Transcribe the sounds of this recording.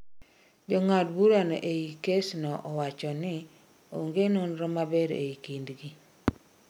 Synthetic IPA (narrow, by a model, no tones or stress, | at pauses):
d͡ʒɔŋadbuɾanɔ̰ʔeikesnɔʔɔwat͡ʃɔnɪ | oŋɡenonɾɔmabeɾḛikindɡi